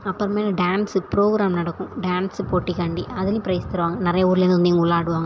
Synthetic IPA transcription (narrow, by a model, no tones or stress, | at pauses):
ɐpːɐɾɐmeːnɐɖaːnsɯpɾoːɡɾaːmnɐɽɐkːʊ̃ɖaːnspoːʈːikɐɳɖiʔɐðɪlĩpɪɾɐjst̪ɐɾɯʋaːŋɡɐnɪɾɐjɐuːɾɯlenɐnd̪iŋɡɐʊɭːaːɽɯʋaːŋɡɐ